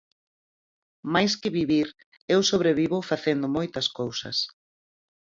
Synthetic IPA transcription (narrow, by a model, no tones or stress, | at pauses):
majskɪβiβiɾ | ewsoβ̞ɾeβiβʊfaθend̪ʊmojt̪ɐskowsɐ̰s